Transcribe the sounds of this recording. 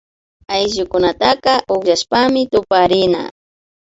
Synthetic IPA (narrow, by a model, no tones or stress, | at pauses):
ajʒʊkʊnat̪akɑʔʊkjaʃpamɪt̪ʊpaɾɪna̰